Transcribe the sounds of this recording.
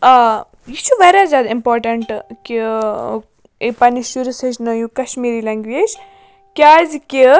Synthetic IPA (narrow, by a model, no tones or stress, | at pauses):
jut͡ʃʰuʋɐɾazʲaːd̪impoːɾʈɐɳʈki | pɐniʃuɾusɐt͡ʃnɐjukɐʃmiːɾilẽːŋɡʋed͡ʒ | kʲaːzki